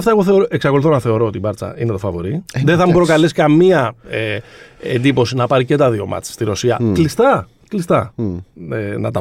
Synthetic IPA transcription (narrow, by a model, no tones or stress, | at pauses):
ɐft̪ɐeɣoθeoɾoʔeksɐkoluθo̞nɐθe̞o̞ɾo̞ot̪ibɐɾt͡sɐ̰inet̪ofɐvo̞ɾiðenθɐmupɾo̞kɐleskɐmiɐeḛnd̪ipo̞sinɐpɐɾice̞t̪ɐðio̞̰mɐ̰t͡sst̪iɾo̞siɐklist̪ɐ | klist̪ɐ | enɐ̰t̪ɐ